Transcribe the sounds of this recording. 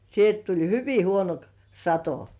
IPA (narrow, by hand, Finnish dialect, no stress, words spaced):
sielt tulʲ hyʋi huono k sɑto